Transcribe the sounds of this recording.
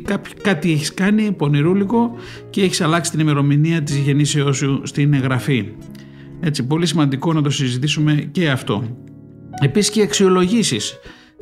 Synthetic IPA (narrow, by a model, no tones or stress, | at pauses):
kɐp | kɐt̪ieçiskɐnipo̞niɾuliko̞ | ce̞eçisɐlɐksi̥t̪inime̞ɾo̞miniɐt̪izʝe̞niseo̞sust̪ineɣɾɐfi | e̞t͡sipo̞lisimɐnd̪iko̞nɐt̪̬o̞sizit̪isume̞ce̞ɐft̪o̞ | e̞pisi̥sceɐksio̞lo̞ʝisis